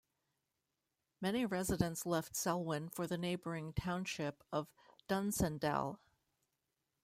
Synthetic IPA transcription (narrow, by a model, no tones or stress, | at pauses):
mɛniɹɛzɨɾɨ̃ntslɛftsɛlˠwɪ̃nfə˞ðɨneɪbə˞ɪ̃ŋtʰãʊ̃nʃɪpʌv̥ | d̥ʌ̃nsɨ̃ndɛ̰lˠ